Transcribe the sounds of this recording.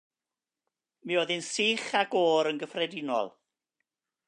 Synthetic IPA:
mioðɪnsiːχaɡoːɾənɡəfrɛdɪnɔ̰lˠ

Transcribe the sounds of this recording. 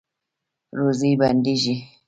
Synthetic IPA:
ɾuzibandiʒi

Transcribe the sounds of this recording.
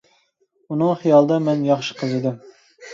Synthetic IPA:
unɨŋχijɑlˠd̪ɑmɛnjɑχʃɪ̥qʰəzɨd̪ɪm

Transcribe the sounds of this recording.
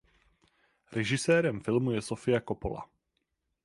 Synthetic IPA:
ɾɛʒɪsɛːɾɛmfɪlmujɛsofɪjakopo̰la̰

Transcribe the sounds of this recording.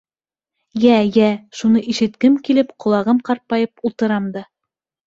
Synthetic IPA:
jæjæʃunɤʔiʃɘ̆t̪kɘmkilɘpqŏlˠɑʁɤmqɑɾt̪̚pɑjɤpulˠt̪ɤ̆ɾɑmd̪ɤ

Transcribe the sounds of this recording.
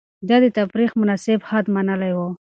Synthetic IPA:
d̪ad̪ət̪afɾixmʊnɑsɪbhad̪manəlajwo

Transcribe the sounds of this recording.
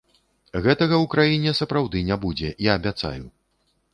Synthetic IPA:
ɣɛt̪ɐɣɐwkɾajinʲɛsɐpɾawd̪ɨnʲabud͡zʲɛiɐbʲat̪sa̰ju

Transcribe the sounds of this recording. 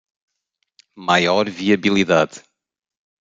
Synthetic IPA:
majɔɾviɐβilˠiðað

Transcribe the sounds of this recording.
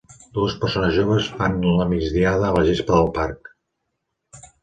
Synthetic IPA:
d̪̥uəspərsonəzʒoβ̞əsfanuləmid͡zðiaðəːləʒespəðəlˠpaɾk

